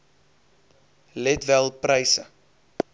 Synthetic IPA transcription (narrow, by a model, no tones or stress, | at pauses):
lɛtvɛlˠprəjsə